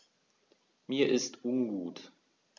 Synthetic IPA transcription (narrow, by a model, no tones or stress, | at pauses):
miːɐʔɪstʔʊnɡuːt